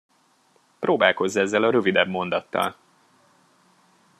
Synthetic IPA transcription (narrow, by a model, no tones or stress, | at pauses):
prʔoːbaːlko̞zːɒɛzːɛlɒɾø̞vid̪ɛbmo̞n̪d̪ɒt̪ːɒ̰l